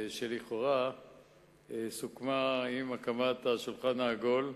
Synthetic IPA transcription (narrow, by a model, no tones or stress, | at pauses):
ʃeliχo̞ʁa | sukmaimakamat̪aʃulχanaːɡo̞l